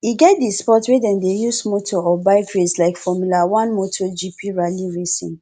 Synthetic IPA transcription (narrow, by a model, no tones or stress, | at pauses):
iɡɛt̚dispɔtwedɛ̃ndejusmotʰɔɔbaɪkɹeslaɪkfɔmulawãnmotʰɔd͡ʒipʰiɹaliɹesḭ̃n